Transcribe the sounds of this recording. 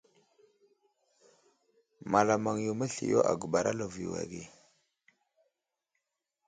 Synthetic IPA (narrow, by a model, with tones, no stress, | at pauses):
ma˨la˨ma˨ŋju˨mə˦ɬḭ˨jo˦ʔa̰˨ɡu˨ba˨ɾa˦lo˨vḭ˨wa̰˨ɡḭ˦˨